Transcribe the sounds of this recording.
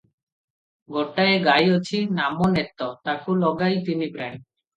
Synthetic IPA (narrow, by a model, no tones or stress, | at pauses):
ɡɔʈːaeɡajot͡ɕʰinamonet̪ːɔt̪akulɔɡajt̪inibɾaɳ